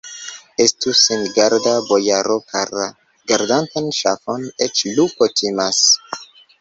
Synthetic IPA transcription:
estusinɡaɾdabojaɾopʰeɾa | ɡaɾdantanʃafo̞net͡ʃlukotʰimas

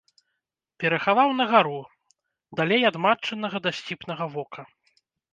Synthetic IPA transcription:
pʲɛɾɐxavawnɐɣaɾu | d̪alʲejad̪mat͡ʂɐnɐɣɐd̪asʲt͡sʲipnɐɣɐvɔkʰɐ

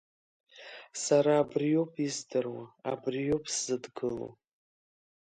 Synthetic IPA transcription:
saɾaːbrijo̞pʰizdɨrwaa̰brijo̞pʰʼszɨdɡɨlo̰

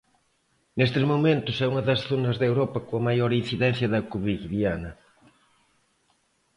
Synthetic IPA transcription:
nest̪ɪzmomẽnt̪ʊsɛuŋɐðɐsθonɐzðewɾɔpɐkõɐmajoɾinθiðɛ̃n̟θjɐðɐkuβiɣðianɐ

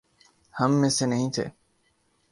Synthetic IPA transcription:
həmːẽːsenəɦĩːt̪ʰḛː

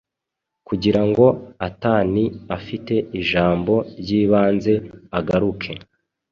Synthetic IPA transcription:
kuɟiɾaŋɡo̞ataːniafite̞iʒaːmbo̞ɾɟiːβaːnze̞aɡaɾukʰe̞

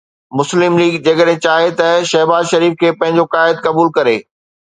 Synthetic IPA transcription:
mʊslɪmliːɡd͡ʑɐːkəɗɦɪ̃t͡ɕaːɦet̪ɐʃɐɦbaːzʃɐɾiːfkʰeːpɐ̃ɦɪ̃ɲd͡ʑokaːɪd̪̚kɐbuːlkɐɾḛː

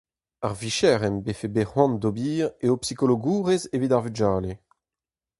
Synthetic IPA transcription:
aʁviʃɛʁɛmbefebehwɔ̃nd̪obiːʁeopsikoloɡuːʁezevidaʁvyd͡ʒaːle

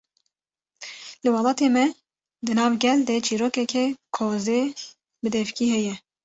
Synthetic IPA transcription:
lɨwɑlɑːt̪eːmɛ | d̪ɨnɑːvɡɛld̪ɛt͡ʃʰiːɾoːkɛkɛkʰoːzeː | bɨd̪ɛfkiːhɛjɛ

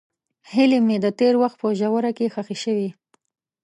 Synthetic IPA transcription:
hɪlemed̪ət̪eɾwaxt̪̚pəʒawəɾakexaxiʃəwi

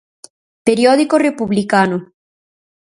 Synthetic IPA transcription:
peɾjoðikorepuβlikano

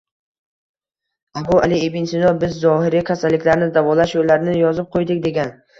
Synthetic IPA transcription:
abʊalɪebɪnsɪnɒbɪzːɒhɪɾikʲʰasalːɪkʲlaɾɪnɪd̪avɒlaʃjolːaɾnɪjɒzɪp̚qʰojd̪ɪkʲd̪e̞ɡʲan

